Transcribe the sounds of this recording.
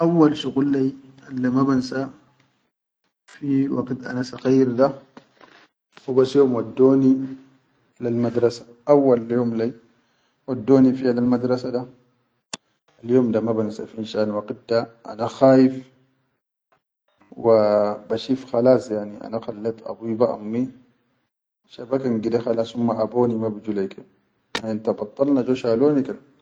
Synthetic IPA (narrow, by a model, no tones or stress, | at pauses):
ʔawːalʃuɣulːaʔalːamabansa | fiwaɡt̪ʔa̰nasaɣajːiɾd̪a | wibasjoːmwad̪ːoːni | lalmad̪ɾˤɑsḁ | ʔawːaljoːmla | wad̪ːoːnifialalmad̪ɾˤɑsad̪a | aljoːmd̪amabanasa̰finʃaːnwaqit̚d̪aʔa̰naxaːjif | wabaʃifxalaːsjaʕniʔa̰naxalːat̪ʔa̰bubaʔa̰mːi | ʃabakanɡid̪axalasumːaʔaboːnimabid͡ʒulajke | aint̪abɑt̪ˤːɑlnad͡ʒoʃaloːnikal